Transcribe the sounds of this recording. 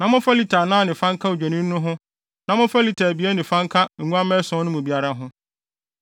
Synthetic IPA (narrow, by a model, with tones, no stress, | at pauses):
nã˨mʊ̃˦fa˦li˨tʰa˨nãː˦nɪ̃˨fã˦ŋkʰa˦u˨d͡ʑᶣa˨nĩ˦nː˦ʊ̃˦ɦʊ̃˦ | nã˨mʊ̃˦fa˦li˨tʰa˨bi˨˦e˦nɪ̃˨fã˦ŋkʰa˦ŋ̩˨ŋũ˦a˦mɛ̃˦sɔ̃˦nʊ̃˦mũ˨bi˦a˦ɾa˦ɦʊ̃˦